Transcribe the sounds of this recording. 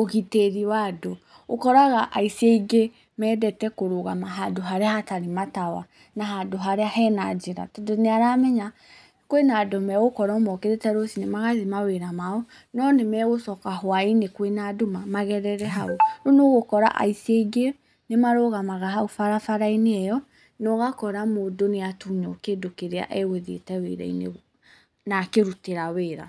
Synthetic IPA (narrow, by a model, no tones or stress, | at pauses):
oɣiteɾiwado | okɔɾaɣaʔaiseiɡe | mɛːdɛtɛkoɾoɣamaɦadoɦaɾeahataɾematawa̰ | naɦadoɦaɾeahɛnad͡ʑeɾa̰tɔdoneaɾamɛɲa | kwenaːdɔmɛɣokɔɾɔmɔkeɾetɛɾosinemaɣaðemaweɾamaɔ | nɔnemɛɣosɔkaɦwainekwenadomamaɣɛɾɛɾɛɦaoɾonoɣokɔɾa̰ʔa̰iseɡe | nemaɾoɣamaɣaɦaofaɾafaɾaineɛjɔ | noɣakɔɾamoːdoneatuɲɔ̰kedokeɾea̰ʔeɣeðḛtɛwḛɾɛ̰inḛ | nakeɾuteɾaweːɾa̰